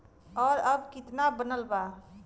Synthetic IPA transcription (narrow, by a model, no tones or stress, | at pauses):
ɔːɾəbkɪt̪nabənəlba